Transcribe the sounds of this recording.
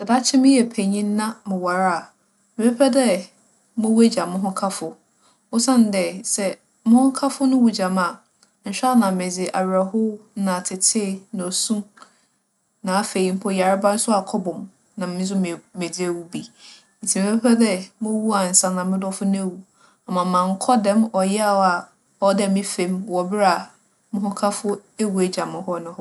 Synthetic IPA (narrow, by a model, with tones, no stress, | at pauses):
sɛ˨da˦t͡ɕʰɪ˦mɪ̃˦jɛ˨pʰæ˨ɲĩ˦nː˦ã˦mɪ̃˨wa˨ɾa˦˨ | mɪ˨pʰɛ˦pʰɛ˦dɛ˦ | mʊ̃˦wu˦e˦d͡ʑa˨mʊ̃˦ɦʊ̃˦kʰa˦fʊ˨ | o˦sã˦n˨dɛ˨sɛ˦ | mʊ̃˦hʊ̃˦kʰa˦fʊ˦nʊ̃˦wu˨d͡ʑa˨mã˦˨ | n̩˨ɕᶣa˦nã˨mɪ̃˨d͡zɪ˨ʔa˨ɥɾa˨ɦʊ˦nã˨tʰɪ˨tʰɪː˦nã˨o˨sũ˦ | nã˨a˨fe˨ji˨˦m̩˦pʰɔ˦ja˨ɾɪ˦bã˦n̩˦sʊ˦a˨kʰɔ˦bɔ̃˨m | nã˨mmɪ̃˦zʊ˦m˨me˨d͡zɪ˦e˨wu˦bi˦ | n̩˨tʰi˨m˨˦ppʰɛ˦dɛ˦mʊ̃˦wu˦a˨n̩˨sã˦nã˨mɪ̃˦dɔ˦fʊ˦ñ˦ɛ˦˨wu˨ | a˨mã˨mã˨ŋ˦kʰɔ˦dɛ̃˦mɔ˨jɛ˦a˦˨wa˨ | ɔ˦dɛ˦˨mɪ̃˦fẽ˦mwɔ˨bɪ˦ɾa˨ | mʊ̃˦hʊ̃˦kʰa˦fʊ˦e˦wu˨e˨d͡ʑã˨mɪ̃˨ɦɔ˦nʊ̃˦hʊ˦